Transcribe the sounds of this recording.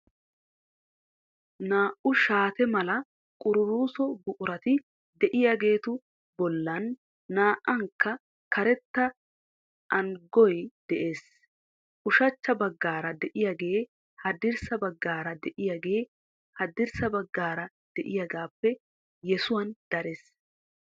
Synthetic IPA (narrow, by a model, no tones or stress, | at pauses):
naːʔʊʃaːt̪ɛmɐlɐ | kʼʊɾʊɾuːsɔbʊʔʊɾɐt̪ɪ | d̪ɛʔɪjaːɡe̞ːt̪ʊ | bɔlːɐnː | aːʔɐŋkːɐ | kɐɾɛt̪ːɐ | ʔɐŋɡɔjd̪̥ɛʔeːs | ʔʊʃɐt͡ʃːɐbɐɡːaːɾɐd̪ɛʔɪjaɡe̞ː | hɐd̪ɪɾsɐbɐɡːaːɾɐd̪ɛʔɪjaːɡe̞ː | hɐd̪ɪɾsɐbɐɡːaːɾɐ | d̪̥ɛʔɪjaɡaːpːɛ | jɛsʊwɐnd̪̥ɐɾes